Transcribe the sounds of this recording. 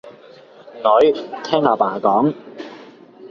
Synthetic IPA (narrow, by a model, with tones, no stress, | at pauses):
ŋɔ˨˥jt̪ʰɛː˥ŋaː˨˩paː˨˩kɔː˨˥ŋ